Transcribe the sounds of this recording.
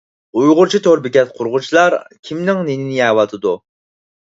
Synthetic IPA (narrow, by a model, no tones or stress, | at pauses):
ujʁʊɾt͡ʃʰit̪ʰoɾbɪkʲɛt̪̚qʰʊɾʁʊt͡ʃʰilˠɑɾkʲʰimnɪŋnenɪnɪɛwɑt̪ʰɨd̪u